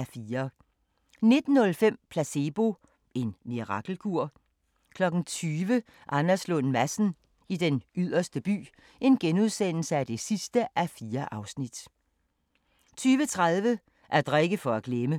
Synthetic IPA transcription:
æfiːɐ | ne̝d̥n̩ːɔ̽lfem̰pʰlæse̝b̥o̝ | e̝nːiʁɑ̈ɡ̥l̩kʰuɐ̰ | kʰlɒ̽ɡ̥n̩t͡sʰyːʋə | ʔɑnɐslɔnmæsn̩ | id̥enyðˠɐsd̥əb̥y̰ː | e̝nɡ̥enuð̞ˠsen̰l̩səæd̥e̝sisd̥əʔæfiːɐʔɑ̈ʊsnid̥ | t͡sʰyːʋət͡sʰʁað̞ˠʋə | ʔæɐd̥ʁeɡ̥əfɒ̽æɡ̥lemə

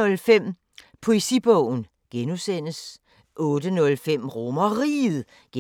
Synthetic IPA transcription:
ɔ̽lfem̰ | pʰo̝e̝sḭb̥ɔʊ̰n̩ | ɡ̥enusen̰əs | ʔɔ̽ːd̥ənɔ̽lfem̰ʁomɐʁiːð̩ˠ | ɡ̥

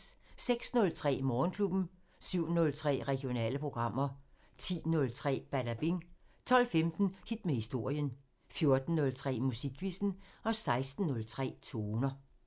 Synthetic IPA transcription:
seɡ̥snɔ̽lt͡sʰʁɛ̰ːmɒːnkʰlub̥n̩ | syʊ̰nɔ̽lt͡sʰʁɛ̰ːʁɛɡ̥jo̝nɛ̰ːləpʰʁo̝ɡ̥ʁɑ̈m̰ɐ | t͡sʰḭːnɔ̽lt͡sʰʁɛ̰ːb̥ædæb̥iŋt͡sʰɒ̽l̰femd̥n̩hid̥mehisd̥o̝ɐ̰jən | fjo̝ɐd̥n̩ːɔ̽lt͡sʰʁɛ̰ːmusiɡ̥ʰʋisn̩ɒ̽sɑ̈ɪsd̥n̩ːɔ̽lt͡sʰʁɛ̰ːt͡sʰo̝ːnɐ

